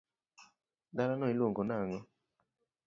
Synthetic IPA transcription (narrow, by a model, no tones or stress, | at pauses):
daɾanɔiloŋɡɔnaŋɔ